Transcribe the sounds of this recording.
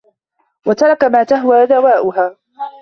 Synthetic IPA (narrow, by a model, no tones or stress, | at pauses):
wat̪ɑɾˤɑkamaːt̪aɦwaːðawaːʔʊɦaː